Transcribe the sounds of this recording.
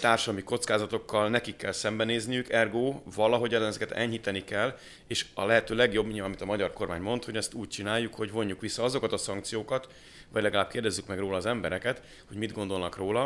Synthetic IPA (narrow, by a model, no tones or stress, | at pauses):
t̪aːrʃɒd̪ɒmiko̞t̪skaːzɒt̪o̞kːɒlnɛkikːɛlsɛmbɛneːznijykɛrɡoːvɒlɒɦo̞ɟɒnɛzɛkɛt̪ɛ̰ɲhit̪ɛnikɛlː | eːʃɒ̰lɛɦɛt̪øːlɛɡjo̞bːɲɒmit̪ɒmɒɟɒrko̞rmaːɲmo̞nt̪ho̞ɟɛst̪uːc̚t͡ʃinaːjːukho̞ɟvo̞ɲːukʋisːɒɒzo̞kɒt̪ɒsɒŋk̚t̪sijoːkɒt̪ | ʋɒɟlɛɡɒlaːb̚keːrd̪ɛzːykmɛɡroːlɒːzɛmbɛɾɛkɛt̪ | ho̞ɟmid̪ɡo̞nd̪o̞lnɒkroːlɒ